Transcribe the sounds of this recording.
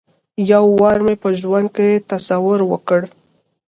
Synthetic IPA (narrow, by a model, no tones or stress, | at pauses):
jawːɑɾmepəʒwand̪̚kejet̪asawʊɾwə̰kəɽ